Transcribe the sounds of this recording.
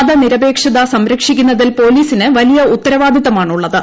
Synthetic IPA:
ðɐniɾɐbe̞ːkʂɐðɐsɐmɾɐkʂikʲːunːɐðilpo̞ːliːsinɨʋɐlijɐut̪ːɐɾɐʋaːd̪ʱjiðɐmaːɳuɭːɐðɨ

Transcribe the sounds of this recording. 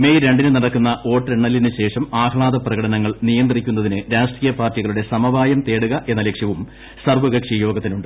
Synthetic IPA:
me̞jɾe̞ɳɖinɨnɐɽɐkːunːɐʔo̞ːʈːreɳːɐlːinɨɕe̞ːʂɐmaːkɐɭaːd̪ɐprɐɣɐɽɐnɐŋːɐɭnijɐnd̪rikʲːun̪ːɐðinɨɾaːʂʈriːjɐpaːrtiɣɐɭuɽe̞sɐmɐbaːjɐmt̪e̞ːɽuɣɐʔe̞nːɐlekʂjɐʋum | sɐrʋɐɡɐkʂijo̞ːɡɐt̪ːinuɳɖɨ

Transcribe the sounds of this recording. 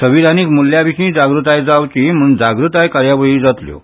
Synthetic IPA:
t̪ʰəbid̪ʱaniːkmulːjabiɕĩːd͡zaɡɾut̪ajd͡zawt͡ɕim̤und͡zaɡɾut̪ajkaɾjabəɭiːd͡zat̪ljo̰

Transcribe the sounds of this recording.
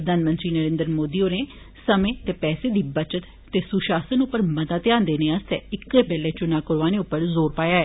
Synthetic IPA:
əd̪aːnmə̃nt̪ɾiːnəɾẽːnd̪ɾəmoːd̪iːoːneː | səmẽːt̪eːpɛːseːd̪iːbət͡ʃət̪ːeːsʊʃaːsənʊpːəɾmət̪aːt̪jãːnd̪eːneːəst̪ɛ̰ːɪkːeːpɛːleːt͡ʃʊnaːkʊɾʋaːnẽːʊpːəɾzoːɾpaːjaːɛː

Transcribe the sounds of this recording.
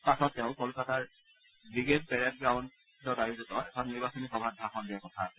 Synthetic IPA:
pasɔtːɛʊ̃kɔlʊkataɹ | bɹiɡed̚pɛɹɛdɡɹaʊ̃n | tɔtajuzɔtɔɛsʰɔniɹbasɔnixɔbʱadʱaxɔndiakɔtʰasɛ

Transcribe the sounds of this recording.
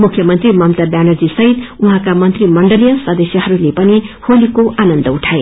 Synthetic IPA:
mukʰjʌmʌnt̪rimʌmt̪abjanʌrd͡zisʌɦit̪uɦãkamʌnt̪rimʌɳɖʌlijʌsʌd̪esjʌɦʌɾulepʌniholikoʔanʌnd̪ʌuʈʰae

